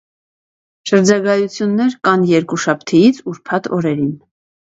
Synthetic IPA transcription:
ʃəɾd͡ʒɑɡɑjut͡sʰjunːɛɾkɑnjɛɾkuʃɑpʰt̪ʰɛjit͡sʰuɾpʰɑt̪ʰɔ̰ɾɛɾin

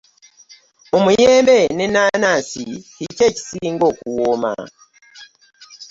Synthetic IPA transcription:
omujeːmbenenanasihiceci̥siːŋɡokuwoma̰

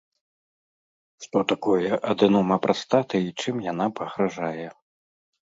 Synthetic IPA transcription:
ʂt̪ɔt̪akɔjɛʔɐd̪ɨnɔmɐpɾʔast̪at̪ɨit͡ʂɨmjan̪apɐɣɾaʐajɛ

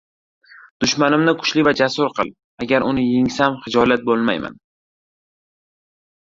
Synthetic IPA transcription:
d̪̥ʊʃmanɪmnɪkʰʊ̥ʃlɪvad͡ʒasʊɾqʰɨ̰lˠ | aɡʲaɾʊnɪjeŋsamχɪd͡ʒɒlat̪̚bolˠma̰jma̰n

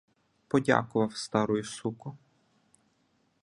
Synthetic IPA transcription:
pɔdʲa̰kʊʋɐwst̪ɑɾɔjʊsukʊ

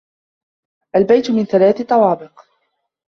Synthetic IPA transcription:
ʔalbajt̪ʊmɪnθalaːθɪt̪ˤːɑwɑːbɪq

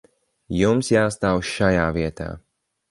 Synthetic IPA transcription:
jumsjaːst̪aːwʃajaːviɛt̪a̰ː

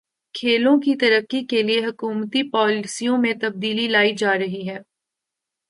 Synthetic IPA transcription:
kʰeːlõkit̪ɐɾəkːikelieɦɐkuːmt̪ipɔːlɪsijõmẽt̪ɐb̚d̪iːlilaːid͡ʒaːɾɐɦiɦɛː

